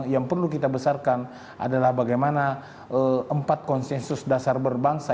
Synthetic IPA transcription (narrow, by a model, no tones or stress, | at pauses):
jaŋpərlukit̪abəsarkan | ʔa̰dalahbaɡajmana | əəmpat̪̚kɔnsɛnsʊsdasarbərbaŋsa